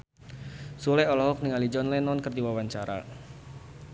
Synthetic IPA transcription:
sulɛɔlɔɦɔk̚niŋalid͡ʒɔnlɛnɔnkərdiwawaɲt͡ʃaɾa̰

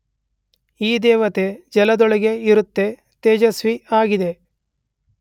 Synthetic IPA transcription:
iːd̪ɛːʋɐt̪e̞d͡ʒɐlɐd̪ɔɭɐɡeiɾut̪ːe̞ | t̪eːd͡ʒɐsʋiaːɡid̪e̞

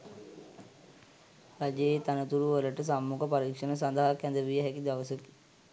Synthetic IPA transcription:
ɾad͡ʒet̪anət̪uɾuʋələʈəs̬amːukəpaɾikʂənəsand̪aɦakjɛnd̪əʋijəɦækid̪aʋəsəki̥

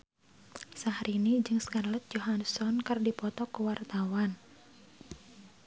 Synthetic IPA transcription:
saɦaɾinid͡ʒɨŋskanlɛt̪̚d͡ʒoɦansɔnkɨrdipɔt̪ɔkuwart̪awan

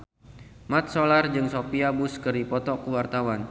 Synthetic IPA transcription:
mat̪̚solard͡ʒɨŋsopiabuskɨrdipɔt̪ɔkuwart̪awan

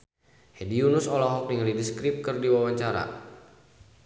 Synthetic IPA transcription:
hediunusɔlɔɦɔk̚niŋlidiskɾip̚kɨrdiwawaɲt͡ʃaɾa̰

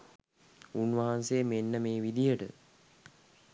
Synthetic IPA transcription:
unʋaɦansemenːəmeːʋid̪ijəʈə̰

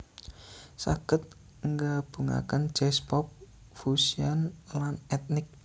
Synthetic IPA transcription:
sa̰ɡ̥ət̪̚ | ŋɡab̥ṳŋa̰kənd͡ʒ̥ɛspɔp̚ | fusianlanɛt̪̚nɪk̚

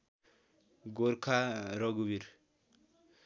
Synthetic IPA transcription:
ɡoɾkʰaɾɔɡubiɾ

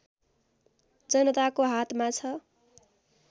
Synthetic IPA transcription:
d͡zʌnʌt̪akoɦat̪ʰmat͡sʰʌ

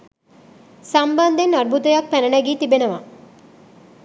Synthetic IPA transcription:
samband̪enːaɾbut̪əjak̚pænənæɡiːt̪ibenəʋa

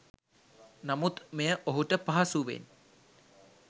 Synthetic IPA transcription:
namut̪mejəʔoɦuʈəpaɦasuʋḛn

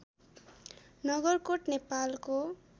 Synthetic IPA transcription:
nʌɡʌrkoʈnepalko

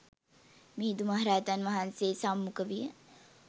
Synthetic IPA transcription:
mid̪umaɦaɾaːjət̪anʋaɦanseːsamːukəʋijə

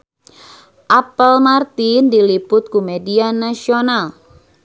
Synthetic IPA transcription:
ʔapəlmart̪indilipʊt̪̚kumedianasional

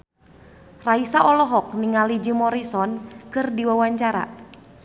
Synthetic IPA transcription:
raisaʔɔlɔɦɔk̚niŋalid͡ʒimɔɾisɔnkɨrdiwawaɲt͡ʃaɾa̰

